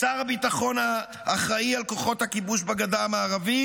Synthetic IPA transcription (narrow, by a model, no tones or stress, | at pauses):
t͡saʁabitaχo̞na | ʔːχʁaialko̞χo̞thakibuʃbaɡadamaːʁavi